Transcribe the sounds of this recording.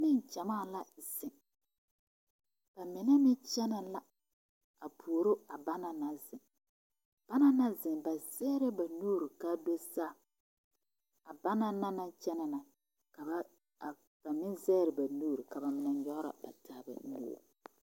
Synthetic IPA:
nɪ˦ŋt͡ʃɛ˨maː˦˨la˦zɪ˨ŋ | b̥a˨mɪ˨na˦mɪ˦t͡ʃɛ˦na˨la˦ | a˨pʰu˨o˨ɾo˦a˨ba˦na˨na˦zɪ˨ŋ | b̥a˦na˦na˦zɪ˨ŋba˨zɛ˦ɾɪ˦ba˨nuː˦ɾi˨ka˦do˦saː˦˨ | a˨ba˦na˦na˦na˦t͡ʃɛ˦na˨na˨ | ka˨ba˦˨ | b̥a˨mɪ˦nzɛː˦ɾɪ˨ba˨nuː˦ɾi˨ka˨ba˨mɪ˨na˨ɲɔ˦ʔɾa̰˨ba̰˨tʰaː˨ba̰˨nṵː˦˨

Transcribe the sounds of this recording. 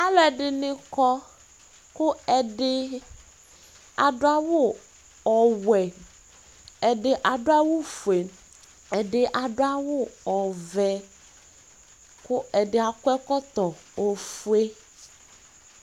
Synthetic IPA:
a˦lɛ˨ɖɪ˨nɪ̃˦kɔ˦ | kʊ˦ɛ˨ɖɪ˦ | a˨dʊ˦a˦wʊ˦ | ɔ˨wɛ˨ | ɛ˨ɖɪ˨ʔa˨dʊ˦a˦wʊ˦fu˨e˨ | ɛ˨dɪ˨ʔa˨ɖʊ˦a˦wʊ˦ɔ˨vɛ˨ | kʊ˦ɛ˨ɖɪ˨a˨kʊ˦ɛ˦kɔ˦t̪ɔ˨o˨fu˦e˦

